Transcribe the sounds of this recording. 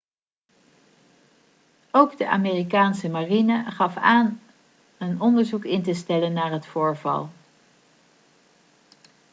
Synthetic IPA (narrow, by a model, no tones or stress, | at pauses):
owɡdəʔa̰ːmeːrikaːnsəmarinəχɑfaːn | ənɔndəɹzukɪntəstɛlənːaːɹɦətfʊːɹvɑ̰lˠ